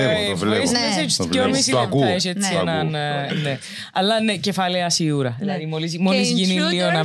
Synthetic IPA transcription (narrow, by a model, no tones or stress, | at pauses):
lɐseseomisikueʃet͡sːienɐnne | ɐlːɐnecefɐleɐsiuɾɐlːɐðimolizmolizʝinilːionɐ